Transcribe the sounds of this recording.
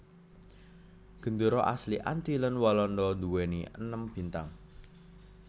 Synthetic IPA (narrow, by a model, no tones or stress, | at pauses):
ɡ̥ə̤nd̪əɾɔʔa̰sliʔa̰nt̪ilənwɔlɔndɔnd̪uweniə̰nəmb̥i̤nt̪a̰ŋ